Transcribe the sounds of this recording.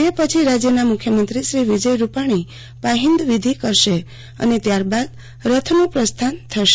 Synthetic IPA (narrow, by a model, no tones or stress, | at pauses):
epət͡ʃʰiɾad͡ʒjənamukʰːjəmənt̪ɾiʃɾiʋid͡ʒəjɾupaɽ̃i | paɦind̪ʋid̪ʱikəɾʃe | ə̰net̪jaɾbad̪̚ | ɾət̪ʰnopɾəst̪ʰant̪ʰəʃe